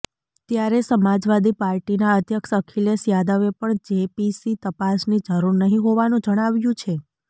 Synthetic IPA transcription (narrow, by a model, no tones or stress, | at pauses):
t̪jaɾesəmad͡ʒʋad̪ipaɾʈinaət̪jəkʃəkʰiljəsjad̪əʋepəɳd͡ʒepisit̪əpasnid͡ʒəɾuɾnəɦĩɦoʋanũd͡ʒəɽ̃aʋjũt͡ʃʰe